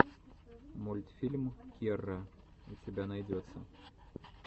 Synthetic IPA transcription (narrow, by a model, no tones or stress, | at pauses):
mɔlʲt̪ʲfʲilʲmkʲiɛrːɐ | ut͡sʲɛbʲanajd͡zʲɔt̪sːɐ